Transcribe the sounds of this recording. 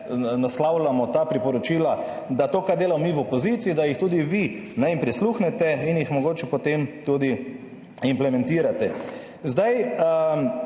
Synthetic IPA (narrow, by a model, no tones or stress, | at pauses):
naslawlamɔt̪aːpɾipɔɾɔt͡ʃiːla | d̪at̪oːkaɾd̪eːlamɔmiwɔpɔziːt̪siid̪ajixt̪uːd̪iʋinajimpɾisluːxnɛt̪ɛinjixmɔɡoːt͡ʃɛpot̪emt̪uːd̪i | implɛmɛ̃nt̪iːɾat̪ɛ | zd̪aj